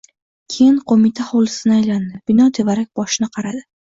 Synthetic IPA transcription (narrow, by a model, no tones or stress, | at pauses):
kʲʰejɪnqʰomɪt̪ʰahɒwlˠɪsɪnɪajland̪ɪb̥ɪnɒt̪ʰe̞vaɾak̚ʲbɒʃɪnɪqʰɑɾad̪ɪ